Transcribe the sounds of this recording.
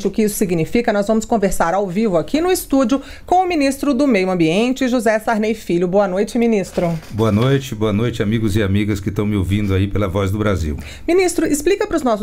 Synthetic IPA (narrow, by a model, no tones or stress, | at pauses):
t͡ʃɪʊkɪisʊ̥siɡinifikɐnɔzvɐ̃mʊskõveɾsaɾawvivʊakʰinʊɪst̪ud͡ʒʊ | kõw̃ʊminist̪ɾʊd̪ʊmejʊɐ̃mbiẽnt͡ʃɪʒuzɛsaɾnejfiʎʊboɐnojt͡ʃɪmĩnist̪ɾʊboɐnojt͡ʃɪboɐnojt͡ʃɪamiɡʊzɪamiɡɐskɪst̪ɐ̃w̃mɪowvĩnd̪ʊaipelɐvɔzd̪ʊbɾazḭw | minist̪ɾʊɪsplikɐpɾʊznɔsʊ